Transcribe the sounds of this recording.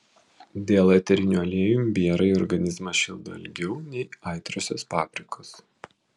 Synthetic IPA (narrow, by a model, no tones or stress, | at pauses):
d̪ʲeːlˠɐt̪ʲɛɾʲɪnʲuɐlʲiɛjumbʲiɛɾɐɪɔɾɡɐnʲɪzmɐʃʲɪlˠd̪o̰ɐlʲɡʲɛʊnʲɛɪɐˑɪt̪ɾosʲo̰ːspɑːbʲɾʲɪkʰoːs